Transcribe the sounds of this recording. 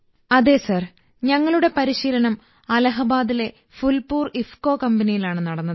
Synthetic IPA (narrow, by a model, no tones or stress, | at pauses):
ɐðe̞ːsɐr | ɲɐŋːɐɭuɽe̞pɐɾiɕiːlɐnɐm | ɐlɐɦɐbaːðile̞ | fulpuːrifko̞ːkɐmbɐnijilaːɳɨnɐɽɐnːɐðɨ